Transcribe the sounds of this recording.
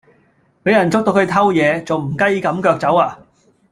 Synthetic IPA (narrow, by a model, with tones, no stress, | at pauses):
pe˨˥jɐ˨˩nt͡sʊ˥k̚t̪o˧wkʰɵ˨˧t̪ʰɐ˥wjɛː˨˧t͡so˨wm̩˨˩kɐ˥jkɐ˨˥mkœː˧k̚t͡sɐ˨˥waː˧